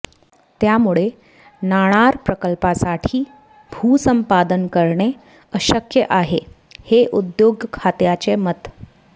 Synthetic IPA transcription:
t̪jamuɭe | naɽ̃aɾpɾəkəlpasaʈʰiː | bʱuːsəmpad̪ənkəɾɳe | əɕəkjəʔaɦe | heʔud̪joɡkʰat̪jat͡ɕemət̪

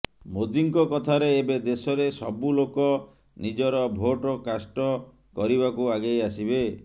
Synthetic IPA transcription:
mod̪iŋkɔkɔt̪ʰaɾeːbed̪esɔɾesɔbulokɔ | nid͡ʒɔɾɔbʱoʈɔkasʈɔ | kɔɾibakuaɡejasibe

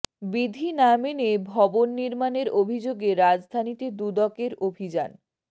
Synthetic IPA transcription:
bid̪ʱinamenebʱɔbonːiɾmaneɾobʱid͡ʑoɡeɾad͡ʑd̪ʱanit̪ed̪ud̪ɔkeɾobʱid͡ʑan

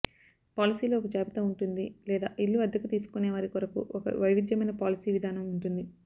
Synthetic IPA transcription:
paːlisiːlo̞ːɔkɐd͡ʒaːbit̪ɐmuɳʈund̪ilɛːd̪a̰ːʔilːuɐd̪ʱːɐkut̪iːsu̥kuneːʋaːɾikɔɾɐkṵɔkɐ̰ʋɐjʋid̪jɐmɐjnɐpaːlisiːʋid̪ʱaːnɐmuɳʈund̪i

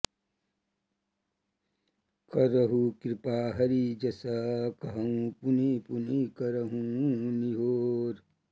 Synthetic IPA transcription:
kɐɾɐɦukɾɪpaːɦɐɾid͡ʒɐsakɐɦɐũpunipunikɐɾɐɦũniɦoːɾ

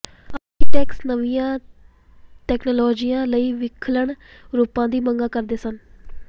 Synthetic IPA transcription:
aːɾkeːʈɛːksnəʋɪjãː | ʈɛːknoːlɔːd͡ʒijãːləiːʋɪkʰləɳɾuːpãːd̪iːməŋɡaːkəɾd̪eːsən

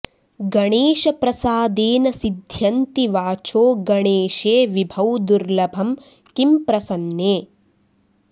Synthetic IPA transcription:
ɡɐɳeːʃɐpɾɐsaːd̪eːnɐsid̪ʱjɐnt̪iʋaːt͡ʃoːɡɐɳeːʃeːʋibʱɐwd̪uɾlɐbʱɐm | kimpɾɐsɐnjeː

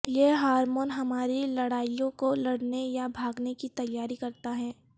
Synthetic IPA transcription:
jeɦaːɾmoːnɦɐmaːɾilɐɽaːijõkolɐɽnejabʱaːɡnekit̪ɐjːaːɾikɐɾt̪aɦɛː

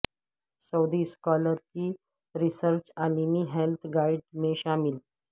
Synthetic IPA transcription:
səwd̪iskɔləɾkiː | ɾisəɾt͡ɕalimiɦelt̪ʰɡaiɖmeɕamil

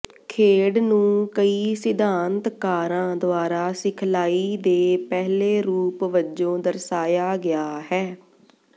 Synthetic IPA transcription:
kʰeːɽnũːkəiːsɪd̪aːnt̪kaːɾãːd̪oaːɾaːsɪkʰlaːiːd̪eːpɛːɦleːɾuːpʋəd͡ʒõːd̪əɾsaːjaːɡɪaːɦɛː

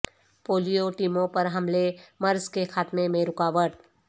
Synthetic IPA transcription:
poːlijoʈiːmõpɐɾɦɐmlemɐɾzkexaːt̪mẽmẽɾʊkaːʋəʈ

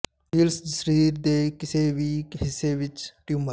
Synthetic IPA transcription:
iːlsd͡ʒsɾiːɾd̪ekɪseʋiːkɦɪsːeʋɪt͡ʃʈjuməɾ

